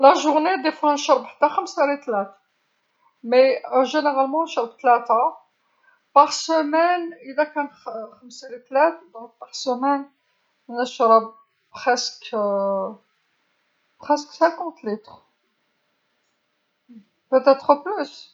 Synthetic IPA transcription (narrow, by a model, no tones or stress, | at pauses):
laʒuʁned̪efwanʃɑɾˤbħə̥t̪ːaxəmsaɾit̪læt̪ | mɛʒeneʁalmɑ̃nʃəɾˤbt̪læt̪a | paʁsəmɛnilakæ̃nxəmsæɾit̪læt̪d̪ɔ̃k̚paʁsəmɛn | nəʃɾˤəb | pχɛsk | pχɛsksæ̃kɑ̃t̪lit̪χ | pøt̪ɛt̪χəplys